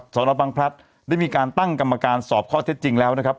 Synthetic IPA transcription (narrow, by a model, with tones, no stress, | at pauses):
sɔː˩˦nʔɔː˧˩wa˧ŋpʰɾa˦˥t̪̚ | daː˥˩jmiː˧kaː˧nt̪a˥˩ŋka˧mːa˧kaː˧nsɔː˨˩p̚kʰɔː˥˩t̪ʰe˦˥t̪̚t͡ɕi˧ŋlɛː˦˥wna˦˥kʰa˦˥p̚